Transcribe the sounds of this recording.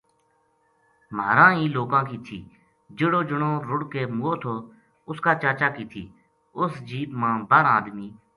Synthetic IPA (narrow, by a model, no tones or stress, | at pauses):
maːɾãːiːloːkãːkiːt̪ʰḭː | d͡ʒɪɽoːd͡ʒəɳoːɾʊɽkeːmʊoːt̪ʰoː | ʊskaːt͡ʃaːt͡ʃaːkiːt̪ʰiː | ʊsd͡ʒiːt̪mãːbaːɾãːd̪miː